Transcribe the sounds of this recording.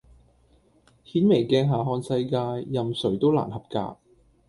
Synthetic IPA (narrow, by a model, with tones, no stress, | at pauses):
hiː˨˥nme˨˩jkɛː˧ŋɦaː˨ɦɔː˧nsɐ˧jkaː˧jːɐ˨msɵ˨˩ɥt̪o˥wla̰ː˨˩nhɐ˨p̚ka̰ː˧k̚